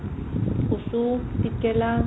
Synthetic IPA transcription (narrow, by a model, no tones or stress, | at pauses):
usutikʼɛla